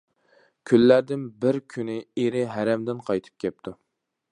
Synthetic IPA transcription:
kʲʰylːæɾd̪ɪnbɪɾkʲʰynɪeɾɪɦæɾɛmd̪ɪnqʰɑjt̪ʰɨ̥p̚kʲɛp̚t̪ʰu

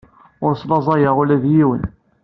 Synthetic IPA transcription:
ʊɾsˤlɑzˤɑjəʁʊlæðjiwən

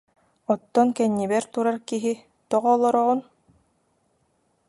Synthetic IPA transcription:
ɔt̪ːɔnkɛɲːibɛɾt̪uɾaɾkiɦi | t̪ɔʁɔːlˠɔɾɔʁun

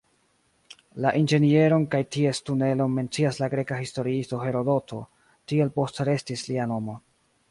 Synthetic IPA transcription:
laʔind͡ʒe̞nie̞ɾo̞nkajtie̞stune̞lo̞me̞nt͡siaslaɡɾe̞kahisto̞ɾiisto̞ɦe̞ɾo̞do̞tʰo̞̰ | tie̞lpo̞stɾe̞stisliano̞mo̞

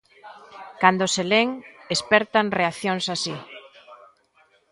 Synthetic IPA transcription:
kand̪oseleŋespɛɾt̪aŋreaθjoŋsasi

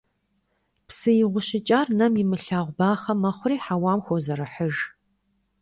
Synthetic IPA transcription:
psɨjɪʁʷʊɕɪt͡ʃʼaːrnɐmjɪmɨɬaːʁʷbaːχɐmɐχʷʊriːħawaːmxʷozɐɾɐħəʒ

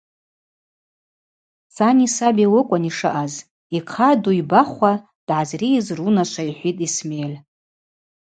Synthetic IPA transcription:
t͡sʰʼanisabiwɨkʷʼaniʂɨ̰ʔaz | iqʰaduibaχʷa | d̥ʕazriːzrunaʃʷʰaiħʷitʼismejl

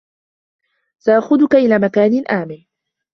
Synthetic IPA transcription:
saʔaxʊd̪ʊkaʔɪlaːmakaːnɪlʔaːmɪ

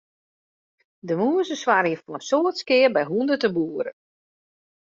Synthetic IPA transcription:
dəmuəsəswaɾifonənsoətskɪərbɛjɦundətəbuːəɾə

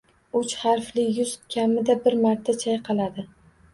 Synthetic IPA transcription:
ʊt͡ʃhaɾflɪjʊzkʲʰamɪd̪abɪɾmaɾt̪ʰːat͡ʃʰajqʰɑlˠad̪ɪ

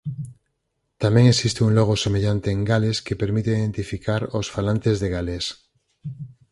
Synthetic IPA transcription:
t̪amẽŋesist̪euŋloɣosemeʎant̪eːŋɡaleskepeɾmit̪eiðe̞nt̪ifikʰaɾosfalant̪ezðeɣales

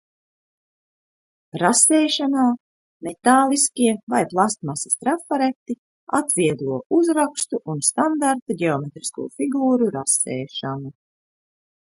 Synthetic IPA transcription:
ɾasɛːʃanaː | met̪aːlˠiskʲiɛvajplˠast̪masi̥st̪ɾafaɾet̪ːi | a̰t̪vʲiɛd̪lˠuɔʔuzɾakst̪uʔunst̪and̪aɾt̪aɡʲeɔmet̪ɾiskṵːfiɡuːɾuɾasɛ̰ːʃanu

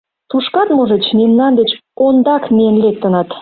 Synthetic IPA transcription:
t̪uʃkɑt̪moʒət͡ɕnemnɑnd̪et͡ɕond̪ɑkmejənlek̚t̪ːə̆nɑt̪

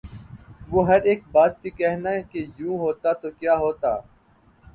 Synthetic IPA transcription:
ʋoːɦɐɾeːk̚baːt̪̚bikɛɦnaɛkejũːɦoːt̪at̪okjaːɦoːt̪aː

